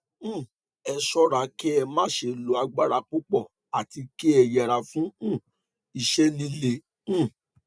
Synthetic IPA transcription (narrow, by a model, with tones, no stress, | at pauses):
ɛ˧ʃɔ˦ɾa˨˧ki˦ɛ˧mã˦ʃe˧˨lo˨˦a˧ɡ͡ba˦ɾa˧k͡pu˦k͡pɔ˦˨ | a˨ti˧ki˦ɛ˧jɛ˧˨ɾa˧fũ˦˨ | i˧ʃɛ˦lĩ˦lẽ˧˨˦